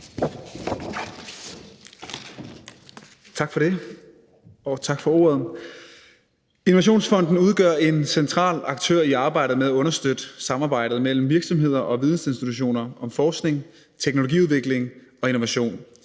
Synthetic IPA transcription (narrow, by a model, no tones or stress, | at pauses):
t͡sʰɑ̈ɡ̥fɒɾ̥e̝ | ɒt͡sʰɑ̈ɡ̥fɒ̽o̝̰ːɐð̞ˠ | inoʋæɕ̬o̝̰ːnsfɒ̽n̰d̥n̩uð̞ˠɡ̥ɶɐ̰e̝nsent͡sʰʁɑ̰̈ːlɑ̈ɡ̥̚t͡sʰø̰ɐ̰iɑ̈ːb̥ɑ̈ɪ̰ɾ̥ð̩ˠmeðˠæɔ̽nɐsd̥ød̥sɑ̈mɑ̈ːb̥ɑ̈ɪ̰ɾ̥ð̩ˠmel̰m̩ʋiɐɡ̥sɒ̽mɦe̝ð̞̰ˠɐʔɒ̽ʋið̞ˠn̩se̝nsd̥it͡sʰuɕ̬o̝̰ːnɐɒ̽mfɒːsɡ̥ne̝ŋ | t͡sʰeɡ̥no̝loɡ̥ḭuðˠʋe̝ɡ̥le̝ŋɒ̽eno̝ʋæɕo̝̰ːn